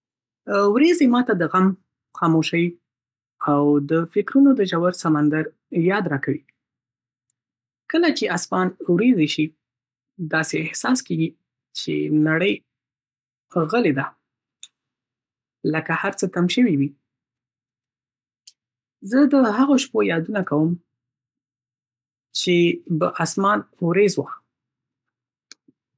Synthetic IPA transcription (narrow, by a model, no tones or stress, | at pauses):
wɾezemɑt̪ad̪əɣam | xɑmoʃəji | awd̪əfɪkɾunod̪əʒawaɾsamand̪aɾ | jɑd̪ɾɑkawi | kəlat͡ʃeʔasmɑnwɾezeʃi | d̪ɑseɪhsɑskeɡi | t͡ʃḛnaɽəj | ɣəled̪a | ləkahaɾt͡sət̪amʃəwiwi | zəd̪əhaɣoʃpojɑd̪unakawəm | t͡ʃebəʔasmɑnwɾezwa